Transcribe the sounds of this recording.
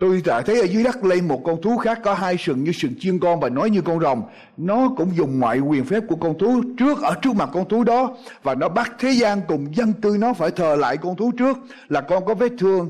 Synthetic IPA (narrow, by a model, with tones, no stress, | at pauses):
t̪o˧jt̪a̰ː˧˨jt̪ʰə˨˦jʔəː˧˩zɨ˨˦əjɗa˦˥t̚le˧nmo˨˩t̚kɔ˧nt̪ʰu˨˦xaː˦˥kːɔ˨˦ɦaː˧jsɨ̰˧˨ŋɲɨ˧sɨ̰˧˨ŋt͡ɕi˧əŋkɔ˧nvaː˨˩nɔ˨˦jɲɨ˧kɔ˧nzə˨˩wŋ͡m | nɔ˨˦kʊ̰˧˥ŋ͡mzʊ˨˩ŋ͡mŋwa̰ː˧˨jkwi˨˩ənfɛ˦˥p̚ku˧˩əkɔ˧nt̪ʰu˨˦t͡ɕɨ˦˥ək̚ʔəː˧˩t͡ɕɨ˦˥ək̚ma˨˩t̚kɔ˧nt̪ʰu˨˦ɗɔ˨˦ | vaː˨˩nɔ˨˦ɓa˦˥k̚t̪ʰe˨˦zaː˧nkʊ˨˩ŋ͡mzə˧nk̪ɨ˧nɔ˨˦faː˧˩jt̪ʰəː˨˩la̰ː˧˨jkɔ˧nt̪ʰu˨˦t͡ɕɨ˦˥ək̚ | laː˨˩kɔ˧nkɔ˨˦ve˦˥t̚t̪ʰɨ˧əŋ